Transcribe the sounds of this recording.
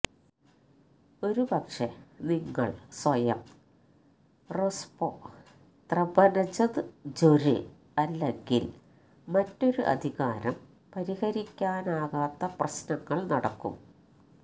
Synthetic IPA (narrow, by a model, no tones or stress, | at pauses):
o̞ɾupɐkʂeniŋːɐ̰ɭsʋɐjɐm | rospo | t̪rɐbɐnɐt͡ɕɐðɨd͡ʑoɾɨ̰ | ɐlːe̞ŋɡḭl | mɐtːo̞ɾuʔɐ̰d̪ʱiɣaːɾɐm | pɐɾihɐɾikʲːaːnaːɣaːt̪ːɐprɐɕnɐŋːɐɭnɐɽɐkːṵm